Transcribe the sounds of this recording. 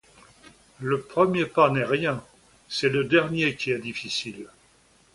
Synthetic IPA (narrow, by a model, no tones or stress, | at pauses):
ləpχəmjepanɛʁjɛ̃ | sɛləd̪ɛʁnjekʲiɛd̪ifisil